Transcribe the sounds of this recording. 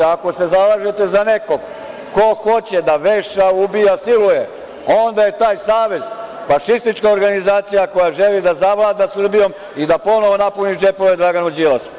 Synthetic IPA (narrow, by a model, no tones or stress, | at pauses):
ako̞se̞zalˠaːʒet̪e̞zane̞ko̞ɡ | ko̞xo̞t͡ɕed̪aʋeʃaubijasiluje | o̞nd̪aje̞t̪aːjsaːʋe̞zfaʃist̪it͡ʃkao̞ɾɡanizaːt̪sijako̞jaʒe̞lid̪azaʋlˠaːd̪asr̩bijo̞m | id̪apo̞no̞ʋo̞napunid͡ʒe̞poʋed̪ɾaɡanud͡ʑilas